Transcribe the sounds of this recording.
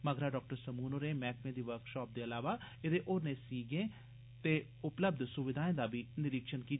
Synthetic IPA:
məɡɾaːɖɔːk̚ʈəɾsəmuːnoːɾẽːmɛːkmẽːd̪iːʋəɾkʃɔːp̚d̪eːəlaːʋaː | ɪd̪eːʔoːɾnẽːsiːɡẽː | t̪eː | ʊpləb̚d̪sʊʋɪd̪ʱaːẽːd̪aːbʱiːnɪɾɪkʃənkiː

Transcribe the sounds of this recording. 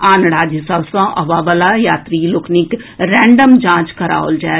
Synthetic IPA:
aːnɽaːd͡ʒisabsãʔɐʋaːbəlajaːt̪ɾiːlʊkʰnik | ɾɛ̃ːɳɖəmd͡ʒãːt͡ʃkɐɾa̰ːo̰ld͡ʒaː

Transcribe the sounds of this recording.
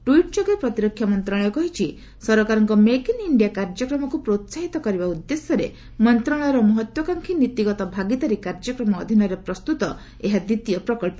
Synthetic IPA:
ʈuiʈ̚d͡ʒɔɡepɾɔt̪iɾɔkʰːjamɔnt̪ɾaɭ̃ɔɔkɔɦit͡ʃʰi | sɔɾɔkaɾɔŋkɔmekiniɳɖijakaɾd͡ʒɔkɾɔmɔkupɾot̪saɦit̪ɔkɔɾibaud̪ːesɔɾḛ | mɔnt̪ɾaɭ̃ɔɾɔmɔɦɔt̪wɔkaŋkʰinit̪iɡɔt̪ɔbʱaɡit̪aɾikaɾd͡ʒɔkɾɔmɔːd̪ʱinɔɾepɾɔst̪ut̪ɔ | eɦad̪it̪ijɔpɾɔkɔɭpɔ

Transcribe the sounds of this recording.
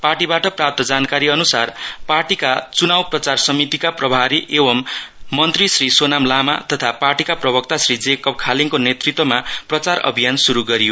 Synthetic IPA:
parʈibaʈʌprap̚t̪ʌd͡zankaɾiʌnusarparʈikat͡sunawprʌt͡sarsʌmit̪ikaprʌbʱaɾiʔebʌmːʌnt̪risrisonamlamat̪ʌt̪ʰaparʈikaprʌbʌk̚t̪asrid͡zekʌp̚kʰaliŋkonet̪rit̪wʌmaprʌt͡sarʌ̰bʱijansuɾuɡʌɾijo

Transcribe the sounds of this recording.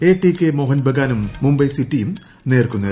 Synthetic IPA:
eːʈːikʲːemoːɦɐnbʱɐɡaːnumːumbɐjsitːijum | neːrkunːɐ

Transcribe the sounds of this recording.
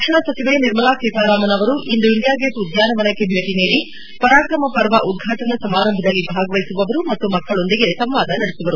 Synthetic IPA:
ɐkʂɐɳɐsɐt͡ʃiʋeniɾmɐlaːkeːt̪aːɾaːmɐnɐʋɐɾuʔind̪uind̪jaːɡeːsud̪jaːnɐʋɐnɐkːebʱeːʈiniːɽi | pɐɾaːkɾɐmɐpɐɾʋɐʔud̪̚ɡʱaːʈɐnɐsɐmaːɾɐmbʱɐd̪ɐlːibʱaːɡɐʋɐjisuʋɐʋɐɾumɐt̪ːumɐkːɐɭo̞nd̪iɡe̞sɐmʋaːd̪ɐnɐɽesiʋɐɾu

